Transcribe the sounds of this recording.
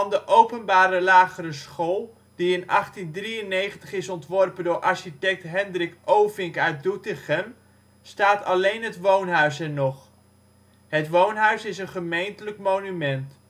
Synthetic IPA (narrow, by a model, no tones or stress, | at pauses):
ɑndəʔowpənbaːɾəlaːχərəsχolˠ | d̥iɪnɑχtindriənejχəntəχɪsɔntʋɔrpəndʊːɹʔɑɹʃitɛk̚tɦɛndrɪkʔowvɪŋkœɥt̚dutɪχəm | staːtɑlejnɦətʋownɦœɥsɛnɔχ | ɦətʋownɦœɥsɪsənχəmejntələkmownymɛnt